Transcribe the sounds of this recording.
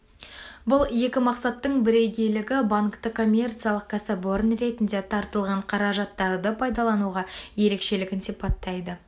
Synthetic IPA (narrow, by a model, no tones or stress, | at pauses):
bʊlˠje̞kʲɪmɑqsɑt̪ːəɴbɪɾe̞jɡʲe̞jlɪɡʲɪbaŋkt̪əkʰo̞mʲːe̞rt̪sɨjalˠəq̚kʲʰɑsɑbo̞ɾənɾe̞t̪ɪnd̪e̞t̪ʰɑɾt̪əlˠʁɑɴqʰɑɾɑʒɑt̪ːɑɾd̪əpʰɑjd̪ɑlˠɑnuʁɑje̞ɾe̞kʃe̞lɪɡʲɪnsijpɑt̪ːɑjd̪ə